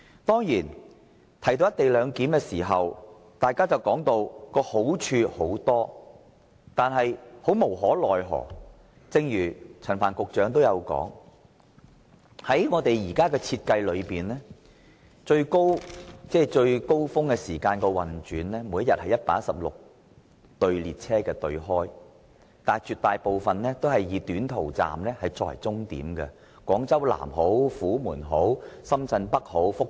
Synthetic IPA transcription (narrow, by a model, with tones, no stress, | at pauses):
t̪ɔː˥ŋjiː˨˩n | t̪ʰɐ˨˩jt̪o˥˧wjɐ˥t̪e˨jlœː˨˧˥ŋkiː˨˥mkɛː˧siː˨˩ɦɐ˨w | t̪aː˨jkaː˥t͡sɐ˨wkɔː˨˥ŋt̪o˧wkɔː˧ho˨˥wt͡ʃʰyː˧ho˨˥wt̪ɔː˥ | t̪aː˨nɦɐ˨jho˨˥wmo˨˩wɦɔː˨˥lɔː˨jɦɔ̰ː˨˩ | t͡sɪ˧ŋjyː˨˩t͡sʰɐ˨˩nfa̰ː˨˩nkʊ˨k̚t͡ʃœː˨˥ŋt̪̬o˥wjɐ˨˧wkɔ̰ː˨˥ŋ | hɐ˨˥jŋɔː˨˧t̪e˨jjiː˨˩kaː˥kɛː˧t͡sʰiː˧t̚kɐ˧jlɵ˨˧ɥpiː˨˩nlɛː˥ | t͡ʃɵ˧ɥko˥wt͡sɛː˥˩t͡ʃɵ˧ɥko˥wfʊ˥ŋkɛː˧siː˨˩kaː˧nkɛː˧wɐ˨nt͡ʃyː˨˥nlɛː˥muː˨˧jɐ˥jɐ˨t̚hɐ˨jːɐ˥t̚paː˥sɐ˨p̚lʊ̰˨k̚ | t̪ɵ˧ɥliː˨t̚t͡sʰɛː˥kɛː˧t̪ɵ˧ɥɦɔː˥j | t̪aː˨˩t͡ʃyː˨˧t̪aː˨jpo˨wfɐ˨nnɛː˥t̪o˥whɐ˨jjiː˨˧t̪yː˨˥nt̪ʰo˨˩wt͡sa̰ː˨mlɛː˥hɐ˨jt͡sɔ̰ː˨˩jt͡sʊ˥ŋt̪ḭː˨˥mkɛ̰˧ | kwɔː˨˥ŋt͡sɐ˥wla̰ː˨˩mɦo˨˥wfuː˨˥muː˨˩nɦo˨˥wsɐ˥mt͡sɐ˧npɐ˥k̚ho˨˥wfʊ˥k̚